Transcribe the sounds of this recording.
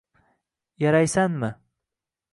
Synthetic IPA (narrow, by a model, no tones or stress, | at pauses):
jaɾajsanmɪ